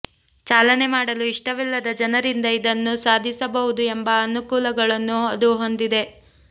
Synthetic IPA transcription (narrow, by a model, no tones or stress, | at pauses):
t͡ʃaːlɐne̞maːɽɐluiʂʈɐʋilːɐd̪ɐd͡ʒɐnɐɾind̪ɐid̪ɐnːusaːd̪ʱisɐbɐʋud̪uembɐːnukuːlɐɡɐɭɐnːuɐd̪uɦo̞nd̪id̪e̞